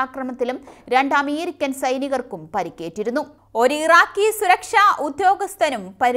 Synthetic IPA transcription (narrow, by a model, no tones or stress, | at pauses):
aːkrɐmɐt̪ːilumɾe̞ɳɖaːmiːɾikʲːɐnsɐjniɣɐrkumpɐɾikʲːe̞ːʈːiɾun̪ːu | o̞ɾuiraːkːisuɾɐkʂaːʔud̪jo̞ːɡɐst̪ʰɐnumpɐɾ